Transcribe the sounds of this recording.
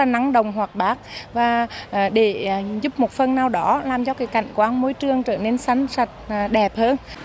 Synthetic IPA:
a˨˩na˨˦ŋɗə˨˩wŋ͡mɦwaː˨˩t̚ɓaː˦˥k̚vaː˨˩˨ɗe˧˩˨zʊ˦˥p̚mo˨˩t̚fə˧nːaː˧wɗɔ˨˦laː˨˩mt͡ɕɔ˧kaː˨˦jka̰˧˨jŋ̟kwaː˨˦ŋmo˧˦jt͡ɕɨ˧əŋt͡ɕəː˧˩ne˧nsa˨˦ŋsa˨˩t̚ːɗɛ˨˩p̚həː˧n

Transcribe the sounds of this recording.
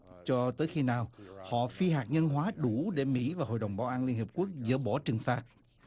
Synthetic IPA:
t͡ɕɔ˧t̪əː˨˦jxi˧naː˨˩whɔ̰˧˨fi˧ɦaː˨˩k̚ɲə˧nɦwaː˨˦ɗu˧˩ɗe˧˩mḭ˧˥vaː˨˩ɦo̰˧˨jɗə˨˩wŋ͡mɓaː˨˦wʔaː˧nli˧ənŋhi˨˩əp̚ku˦˥ək̚zə̰˧˩ɓɔ˧˩˦t͡ɕɨ˨˩ŋfaː˨˩t̚

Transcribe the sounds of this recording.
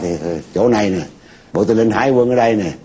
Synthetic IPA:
t̪ʰi˨˩˨t͡ɕo˨˦na˨˩jnɨ˨˩ | ɓo̰˨˦t̪ɨ˨lə˧nhaː˧˦jwə˧nʔəː˧˦ɗa˧jnɨ˨˩

